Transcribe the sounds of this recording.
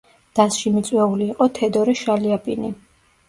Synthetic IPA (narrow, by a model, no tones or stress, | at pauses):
d̪̥asʃimit̪sʼwɛuliːqʼɔt̪ʰɛd̪ɔɾɛʃaliapʼini